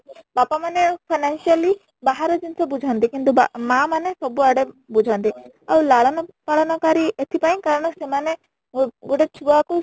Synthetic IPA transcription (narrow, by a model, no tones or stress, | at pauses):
bapamanepʰanansiali | baɦaɾɔd͡ʒinsɔbud͡ʒʱant̪ikint̪ubamamanesɔbuaɽebud͡ʒʱant̪i | awlalnɔpalɔnɔkaɾiʔet̪ʰipajŋkaɾɳ̃ɔsemane | ɡoʈet͡ʃʰuaku